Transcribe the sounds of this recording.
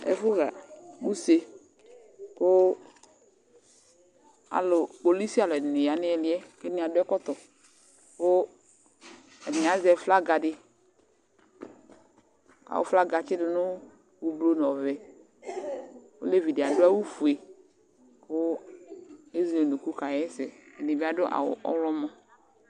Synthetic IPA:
ɛ̰˨fʊ˦ɣa̰˨mu˦se˨˧ | kʊ˦ | a̰˨lʊ˨k͡po˨li˦si˦a˨lʊ˨ɛ˨nɪ˨ja˨nɪ˦ɛ˨lɪ˦ɛ˦kɛ˦nɪ˨a˨dʊ˦ɛ˦kɔ˦t̪ɔ˨ | kʊ˦ | ɛ˨nɪ˨a˨˦zɛ˨fla˦ɡa˨dɪ˦ | ka̰˨wʊ̰˦fla˦ɡa˨t͡ʃɪ˦dɪ˨nʊ˦ | wu˦blo˦n˨ɔ˨vɛ˨ | wo̰˦le˦vi˨dɪ˨a˨dʊ˦a˦wu˦fu˨e˨ | pʊ˦ | e˦zɛ˨nu˨ku˦ka˨jɛ˦sɛ̰˨ɛ˨nɪ˨bɪ˦a˨dʊ˦ʔa̰˨wʊ̰˨ʔɔ̰˦lɔ˦mɔ̃˦

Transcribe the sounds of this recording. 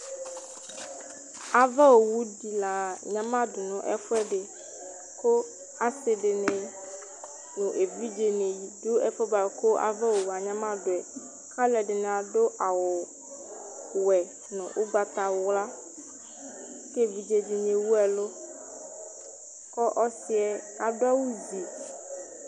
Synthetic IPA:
a˨vɛ˦wo˨wu˦di˨la˨ɲã˦mã˦dʊ˨nɔ̃˨ʔɛ̰˦fʊ˦ɛ˦ɖe˨ | ko˦ | a˨se˨ɖe˨nẽ˨ | nũ˨ʔe˨vi˦d͡ʒe˨ne˨ji˨do˦ɛ˦fɔ˦ba˨ko˦a̰˨vɛ˦wo˨wu˨a˨ɲã˦mã˦dʊ˨ɛ˨ | ka˦lɛ˨ɖɪ˨n˨a˨ɖo˦ʔa˨wʊ˨ | wɛ˨ | nʊ̰̃˨ʔʊ˦ɡ͡ba˨t̪a˨wʊ˦wla˦ | ke˦vi˨d͡ʒe˨d͡ʒi˨ɲẽ˨wu˦ɛ˨lo˦ | kɔ˦ʔɔ˦si˦ɛ˦ | a˨dʊ˦a˦wu˦d͡ʒi˨

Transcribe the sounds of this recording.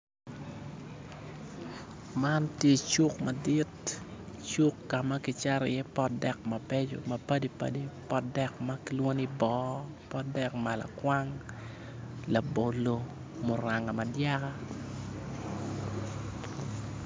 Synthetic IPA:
ma˦ntje˦t͡ʃu˦kma˨di˦t | t͡ʃu˦kːa˨ma˦ki˦t͡ʃa˦ɾɛ˨jɛ˦pɔ˦dɛ˨k̚mɐ˨pe˦d͡ʒo̰˨mɐ˨pɐ˦di˦pa̰˦di˦pɔ˦dɛ˨kma˦ki˦lwo˦ni˦bɔ˦ | pɔ˦dɛ˨k̚ma˨la̰˨kwa˦ŋ | la˨bo˨lo˨ | mo˨ɾa˨ŋa˨ma˨dja˦ka

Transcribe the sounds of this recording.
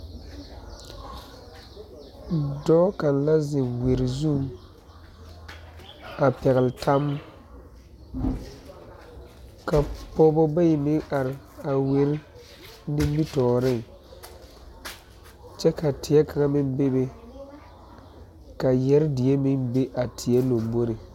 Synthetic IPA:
dɔː˦ka˨nla˦zɪ˨we˨ɾɪ˨zu˦˨ | a˨pɛ˨ɣɪ˨ltʰa˦m | ka˨pɔː˦bɔ˦ba˦ji˨mɪ˦ŋa˨ɾɪ˨ | a˨we˨ɾ | nĩ˦m˦bi˦tɔː˨ɾɪ˦˨ŋ | t͡ʃɛ˦ka˨tʰɪ˨ɛ˦ka˨ŋa˦mɪ˦nbe˦be˦ | ka˨jɛ˦ɾdɪ˨jɛ˦mɪ˦ŋbe˦ʔa˨tʰɪ˨ɛ˦lo˨mbo˦ɾi˨

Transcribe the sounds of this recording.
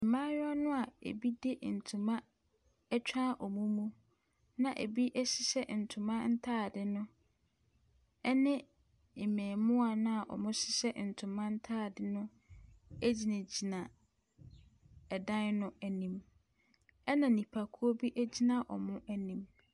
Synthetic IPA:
mãː˦jɔ˦nʊ̃˦a˨ḛ˨bi˦de˦ʔn̩˨tʰũ˨mã˦ | ɛ˦t͡ɕᶣa˦ʔɔ˨mũ˦mũ˦ | nã˨ʔḛ˨bi˦ʔɛ˦sɪ˦sɛ˦n̩˨tʰʊ̃˨mã˦n̩˦tʰaː˦˨dɪ˦nʊ̃˦ | ɛ˦nɪ̃˦˨ | mɛ̃ː˨mʊ̃˦a˨nã˦a˨ʔɔ̰˨mʊ̃˦sɪ˦sɛ˦n̩˨tʰʊ̃˨mã˦n̩˦tʰaː˦˨dɪ˦nʊ̃˦ | æ˦d͡ʑi˨nã˨d͡ʑi˨nã˨ | ɛ˨dã˦nnʊ̃˦æ˨nĩ˨m | ɛ˦nã˨nĩ˨pʰa˨kʰu˦o˦bi˦ʔæ˦d͡ʑi˦nã˨ʔɔ̰˨mʊ̃˦ʔæ˦nĩ˦m

